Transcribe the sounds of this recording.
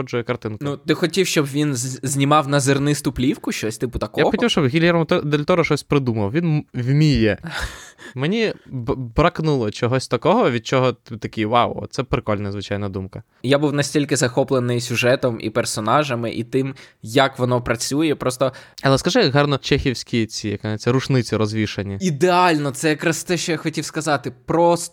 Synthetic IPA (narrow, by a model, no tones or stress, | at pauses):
ɔd͡ʒʊjɛkɐrt̪ɪnknut̪ɪxɔtʲiwʃt͡ʃɔbʋʲinzʲnʲimɑwnɐzɪrnɪst̪ʊplʲiwkʊʃt͡ʃɔsʲt̪ɪpʊt̪ɐkɔjabxɔt̪ʲiwʃt͡ʃɔbɦʲilʲɛɾɔmt̪ɔd̪elʲt̪ɔɾɔʃɔsʲpɾɪd̪umɐwʋʲinwmʲijɛ | menʲibbɾɐknulˠɔt͡ʃɔɦɔsʲt̪ɐkɔɦɔʋʲid̪̚t͡ʃɔɦɔt̪t̪ɐkʲijwawɔ̰sɛpɾɪkɔlʲnɐzʋɪt͡ʃajnɐd̪umkɐ | jabuwnɐsʲtʲilʲkɪzɐxɔplˠenɪjsʲʊʒɛt̪ɔmḭpɛrsɔnɑʒɐmɪʔit̪ɪmjɐkʋɔnɔpɾɐt͡sʲujɛpɾɔst̪ɔɐlˠɛskɐʒɪɦɑrnɔt͡ʃɛxʲiwsʲkʲit͡sʲijɐknɛt͡sʲːɐɾʊt͡ʃnɪt͡sʲiɾɔzʋʲiʃɐnʲiid̪eɑlʲnɔt̪sɛjɐkɾɑst̪ɛʃt͡ʃɔjaxɔtʲiwskɐzɑt̪ɪpɾɔs